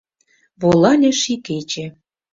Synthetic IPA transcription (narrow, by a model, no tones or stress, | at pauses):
βolˠɑnʲĕʃiket͡ɕĕ